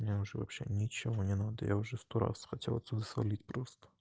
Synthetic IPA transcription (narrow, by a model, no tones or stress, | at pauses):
mnʲeʊʐɛvɐ̰pɕenʲɪt͡ɕɪvonʲɪnad̪ə̰ja̰ʊʐɛft̪oɾa̰sxɐtʲelˠɐt̪sʲud̪əsvɐ̰lʲitʲpɾost̪ə̥